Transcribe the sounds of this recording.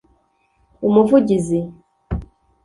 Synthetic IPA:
umuvuɟizi

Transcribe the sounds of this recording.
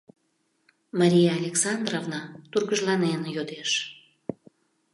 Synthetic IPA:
mɑɾʲijɑalʲeksɑnd̪rovnɑt̪urɣəʒlɑnenjod̪eʃ

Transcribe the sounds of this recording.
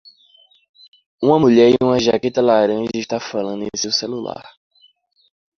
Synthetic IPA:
ũmɐmuʎɛɾiũmɐʒaket̪ɐlaɾɐ̃ʒɐiʃt̪afalɐ̃nd̪ʊẽsewselula̰ɾ

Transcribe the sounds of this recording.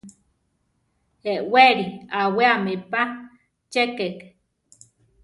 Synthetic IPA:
eʔweɾiaweamepa | t͡ʃekek

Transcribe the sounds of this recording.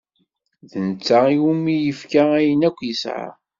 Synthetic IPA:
ðənət͡sːaiumijəfkaæjənækʷːjəsʕa̰

